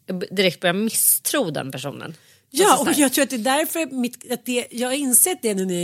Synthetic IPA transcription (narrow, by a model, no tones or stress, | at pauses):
jɑːɡbd̪ɪɾɛkt̪̚bœɾjamɪst̪ʰɾuːd̪ɛ̰npʰæʂṵːnə̰n | jɑːɔjɑːɡt̪ʰɾuːɾat̪̚d̪ɛːd̪æɾfœɾmɪt̪ːat̪̚d̪ɛjɑːɡhaɾɪnsɛːt̪̚d̪ɛnænɪ